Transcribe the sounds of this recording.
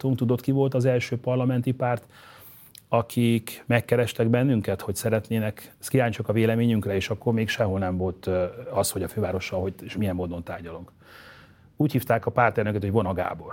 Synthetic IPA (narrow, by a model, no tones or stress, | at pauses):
t̪uŋkt̪ud̪o̞t̪kivo̞lt̪ɒzɛlʃøːpɒrlɒmɛnt̪ipaːrt̪ | ɒkʰikmɛkːɛɾɛʃt̪ɛɡbɛnːyŋkɛt̪ho̞csɛɾɛt̪neːnɛkkiaːɲt͡ʃokɒveːlɛmeːɲyŋkrɛeːʃɒkːo̞rmeːkʃɛɦolnɛɱvo̞lt̪ɒsho̞ɟɒføːvaːɾo̞ʃɒlɦo̞ɟeʃmijɛmːoːd̪o̞nt̪a̰ːrɟɒloŋk | uːchiːft̪aːkɒpaːrt̪ɛrnøkɛt̪hoɟvɒnɒɡa̰ːbo̞r